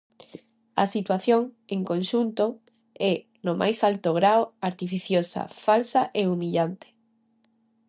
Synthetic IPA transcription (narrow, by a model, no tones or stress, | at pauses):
ɐ̰sit̪waθjoŋeŋkõnʃunt̪o | ɛ | nomʔa̰jsalt̪oɣɾaoaɾt̪ifiθjosa̰falsaʔeumiʎant̪e̥